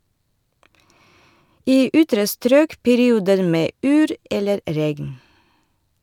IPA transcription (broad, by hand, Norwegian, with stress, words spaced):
ˈiː ˈʔʏtɾə ˈstɾøːk pɛɾɪˈuːdəɾ ˈmeː ˈʔyːɾ ˈɛləɾ ˈɾɛɡn